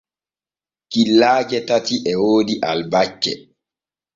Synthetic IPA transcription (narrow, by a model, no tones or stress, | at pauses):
kilːaːd͡ʒɛtatiʔɛwoːdiʔalbat͡ʃːɛ̰